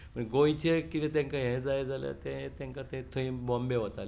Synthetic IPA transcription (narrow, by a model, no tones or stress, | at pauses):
mə̃ɡoit͡ɕekit̪et̪ẽŋkaɦẽd͡zajd͡zalja̰t̪ẽet̪ẽŋkat̪ẽt̪ʰoĩːbɔmbeʋɔt̪ale